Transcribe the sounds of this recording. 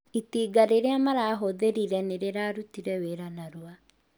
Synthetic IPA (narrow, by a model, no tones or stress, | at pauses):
itiːɡaɾeɾeamaɾaːɦoðeɾiɾɛneɾeɾaːɾutiɾɛweɾanaɾwa